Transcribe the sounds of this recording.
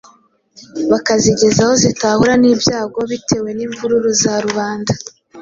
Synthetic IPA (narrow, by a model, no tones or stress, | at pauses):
βakaziɟe̞zaho̞zitahuɾaniːbjaːɡo̞βitʰe̞we̞niːɱvuɾuɾuzaɾuβaːnda